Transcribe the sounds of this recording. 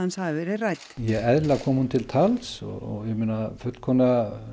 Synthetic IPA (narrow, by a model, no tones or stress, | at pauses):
ansavɪɾɪrajt̪jɛɣɛðlakʰɔːmhunt̪ʰɪlt̪ʰalsɔ̰ɔ̰ɣjɛmeːnafʏt̪l̥kʰɔːna